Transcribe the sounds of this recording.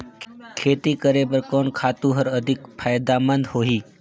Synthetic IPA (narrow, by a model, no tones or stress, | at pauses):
kʰeːt̪ikəɾepəɾkoːnkʰaːt̪ũɦəɾəd̪ʱɪkpʰaːjd̪amənd̪hoːɦiː